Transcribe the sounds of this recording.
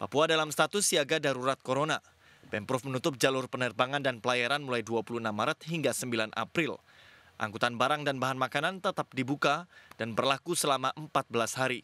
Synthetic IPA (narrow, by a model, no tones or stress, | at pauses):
pa̰puadalamst̪at̪ʊsːiaɡadaɾuɾat̪̚koɾona | pɛmpɾɔfmənut̪ʊp̚d͡ʒalʊrpənərbaŋandanpəlajaɾanmulajduapulunamːaɾət̪̚ɦiŋɡasəmbilanʔa̰pɾɪl | ʔa̰ŋkut̪anbaɾaŋdanbaɦanmakanant̪ət̪ap̚dibukad̥anbərlakusəlamaʔəmpat̪̚bəlashaɾi